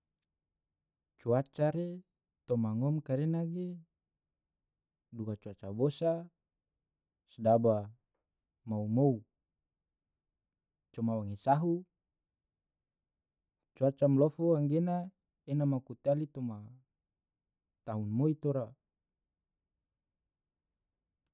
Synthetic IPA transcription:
t͡ʃuat͡ʃaɾe | t̪omaŋɔmkaɾenaɡe | dukat͡ʃuat͡ʃabosa | sdaba | maumou | t͡ʃɔmawaŋesaɦu | t͡ʃuat͡ʃamlofoaŋɡena | enamakut̪alit̪oma | t̪aɦunmoit̪oɾa

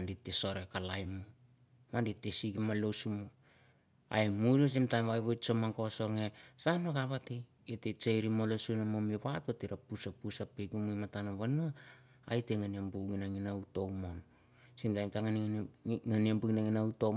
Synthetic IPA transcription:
anditeso̞ɾekalajmu | manditesiɡimalosumu | a̰emuɾos̬imtamβajβojt͡ʃomaŋkoso̞ŋesanoɡaβatej | etet͡ʃejɾimolosunamomiβatatiɾapusapusapeɡumujmatanaβanua | ajteŋaniambuɡinaŋinauto̞wmon | simtajmtaŋanŋaniambuɡnaŋinauto

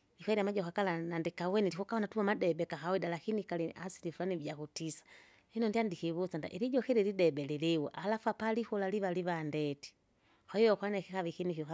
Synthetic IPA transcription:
ikwɛɾiamad͡ʒɔkakalanandikawɛniɾikɔkahɔnatumamadɛbɛkahawɛdalakinikaliasiɾifulanivjakutisḁ | hinɔndiandihiβusanda̰ʔiɾid͡ʒɔxiɾilidɛbɛliliwɔ̰ʔalafuapalihulaliβaliβandɛti̥ | hwaijɔkwanɛkikaβikinikia

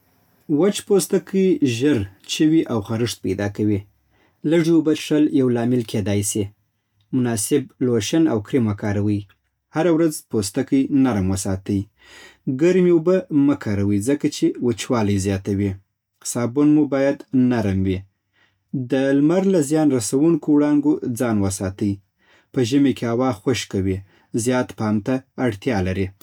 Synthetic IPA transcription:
wat͡ʃpost̪akʰəjʒəɾt͡ʃəwiʔawxaɾəʂt̪̚pajd̪ɑkawi | ləʐiubaʂaljawlɑmɪlkʰed̪ɑjsi | mʊnɑsɪb̚loʃanawkɾimakɑɾawəj | haɾawɾazpost̪akəjnaɾamwəsɑt̪əj | ɡaɾmiubaməkʰɑɾawizəkat͡ʃewət͡ʃwɑləjzjɑt̪awi | sɑbunmubɑjad̪naɾamwi | d̪əlmaɾlazjɑnɾasawuŋkowɽɑŋɡod͡zɑnwəsɑt̪əj | pəʒəmekeawɑxwoʃkawi | zjɑt̪pɑmt̪aːɽt̪jɑlaɾi

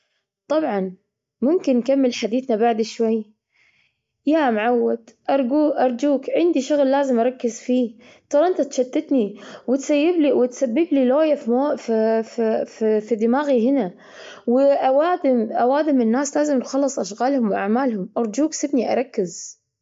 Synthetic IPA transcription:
t̪ˤɑbʕɑn | mʊmkɪnːkamːɪlħad̪iːθnabaʕd̪ɪʃwajː | jamʕawːad̪ʔɑɾˤɡuːʔɑɾˤd͡ʒuːkʕɪnd̪iʃʊɣlːaːzɪmʔɑɾˤɑkːɪzfiː | t̪ˤɑːɾˤʔɪnt̪at̪ʃad̪ːɪt̪niwɪt̪sajːɪbliwɪt̪sabːɪbliloːjafimoffffid̪ɪmaːɣiɦɪna | wɪʔawaːd̪ɪmʔawaːd̪ɪmɪnːaːslaːzɪmnxɑlːɨsˤʔaʃɣaːlhʊmwʔaʕmaːlhʊmʔɑɾˤd͡ʒuːksɪbniʔɑ̰ɾˤɑkːɪz

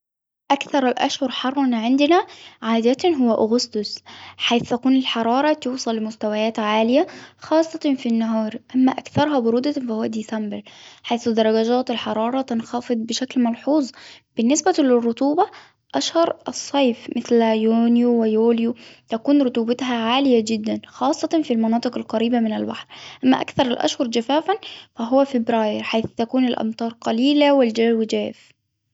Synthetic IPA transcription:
ʔækθɑɾˤɪlʔæ̰ʃhʊɾˤħɑrˤːɑnʕɪnd̪næʕaːd̪æt̪ɦʊwːæʔʊɣʊst̪ʊsħajθt̪ækuːnɪlħɑɾˤɑːɾˤɑt̪uːsˤɑlːɪmʊst̪æwæjæːt̪ʕaːlɪjæxɑːsˤːɑt̪finːaɦɑːɾˤʔæmːæʔækθɑɾˤɦɑbʊɾuːd̪æfæhʊwːæd̪iːsæmbɪɾħajθd̪ɑɾˤɑɡæd͡ʒæːt̪ɪlħɑɾˤɑːɾˤɑt̪ɪnxɑfɨd̪ˤbɪʃæklmɑlħuːzˤb̥ɪnːɪsbælɪrˤːʊt̪ˤuːbɑ | ʔæʃhɑɾˤʔɑsˤːɑjfmɪθljunjuwɪjoːljut̪ækuːnɾot̪ˤuːbɑt̪ɦæʕaːlɪjæd͡ʒɪd̪ːænxɑːsˤːɑt̪ˤɑnfilmɑnɑːt̪ˤɨqɪlqɑɾiːbamɪnɪlba̰ħɾʔæmːæ̰ʔæ̰kθɑɾˤɪlʔæ̰ʃhʊɾˤd͡ʒæfæːfænfæɦʊwːæfɪbɾɑːjɪɾħajθt̪ækuːnɪlʔɑ̰mt̪ˤɑːɾˤqɑliːlæwɪld͡ʒæːwɪd͡ʒæːf

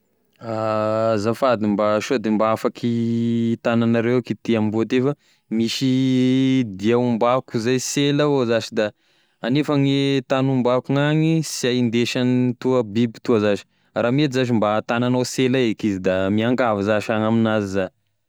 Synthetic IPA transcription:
azafad̪imbaʃod̪embaafakʰit̪ananaɾewakit̪iambot̪efə | miʃi | d̪iaumbakuzajselaozat͡ʃid̪a | anefaŋit̪anumbakuŋaŋisiajind̪eʃant̪uəbibit̪uəzaʒi̥ | ramet̪izaʒ̬imbat̪ananoselaekizid̪amiaŋɡavizaʃaŋaminaziza

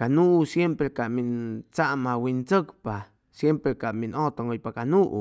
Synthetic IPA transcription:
kanuʔusjempɾekaʔmint͡saʔmawint͡səkpa | sjempɾekaminot̪oŋojpakanuʔṵ

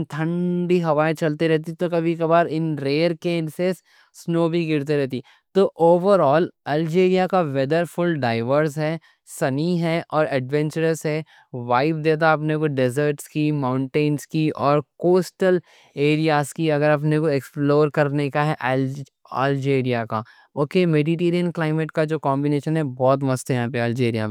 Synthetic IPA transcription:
nt̪ʰɐ̃ɳɖiɦɐʋaːet͡ʃɐlt̪iɾɛɦt̪it̪okɐbʱikɐbaːɾɪnɾeːɾkeːnses | snoːbʱiɡɪɾt̪̬eɾɛɦt̪i | t̪oʔoːʋəɾɔːlɛːld͡ʒeːɾijakaʋɛd̪əɾfʊlɖaːɪʋəɾzɦɛ | sɐniɦɛʔɔːɾɛɖʋɛ̃nt͡ʃəɾəsɦɛ | ʋaːɪp̚d̪eːt̪̬aɐpnekoɖɛzəɾʈskimãːʊ̃ɳʈẽːnskiʔɔːɾkoːsʈəl | eːɾijaːskiɐɡəɾɐp̬nekoeksploːɾkɐɾnekaɦɛʔ | a̰ːld͡ʒeːɾijaka | oːkeːmeːɖiʈeːɾijənklaːɪmeʈkad͡ʒoːkɔːmbineːʃənɦɛbɔːt̪̬mɐst̪jɐɦãpeɐːld͡ʒeːɾija̰m

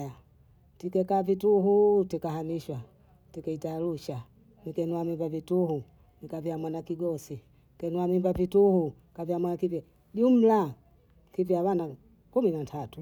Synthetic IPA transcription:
ja | tikɛkavituɦutikahamiʃwa | tikɛitaluʃa | nikɛnuamimbavituhu | nikaviamwanakiɡɔsi | ikɛnuamimbavituhu | kavjamwanakivjɛ | ɗum̩la | kiviaβana | kuminatʰatu

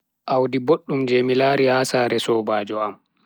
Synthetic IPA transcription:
ʔawdiboɗːumd͡ʒemilaɾihaːsaːɾɛsɔːbaːd͡ʒɔam

